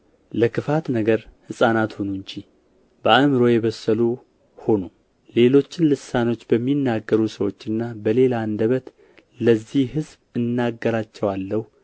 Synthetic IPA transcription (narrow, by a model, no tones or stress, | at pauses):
ləkʰɨfat̪nəɡəɾhɨsʼanat̪honuɲd͡ʒi | bəamɨɾo̞jɛβəsːəlu | ho̞nu | le̞lo̞t͡ʃːɪnlɨsano̞t͡ʃːbəmːinːaɡːəɾusəwo̞t͡ʃːɨnːabəle̞land̪əβət̪ | ləzːihhɨzbɨnːaɡːəɾat͡ʃːɛwalːəhu